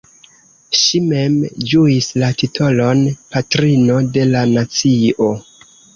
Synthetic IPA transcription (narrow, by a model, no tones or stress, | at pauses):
ʃime̞md͡ʒuislatitʰo̞lo̞npatɾino̞de̞lanat͡sio̞